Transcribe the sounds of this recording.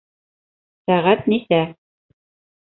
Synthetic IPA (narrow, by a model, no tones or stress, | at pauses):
sæʁæt̪nisæ